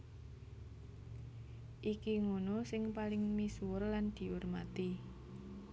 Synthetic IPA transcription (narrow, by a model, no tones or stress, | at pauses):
ʔikiŋunosɪŋpalɪŋmisuwərland̪̥i̤ʔurma̰t̪i